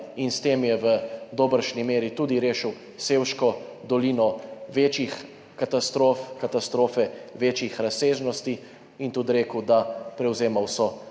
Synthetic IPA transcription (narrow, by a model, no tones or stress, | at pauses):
inst̪eːmjɛʋəd̪oːbəɾʃnimeːɾit̪uːd̪iɾeːʃəw | seːwʃkɔd̪ɔliːnɔʋeːt͡ʃix | kat̪ast̪ɾoːfkat̪ast̪ɾoːfɛʋeːt͡ʃixɾaseːʒnɔst̪i | int̪ud̪ɾeːkəwd̪apɾɛwzeːmawsɔ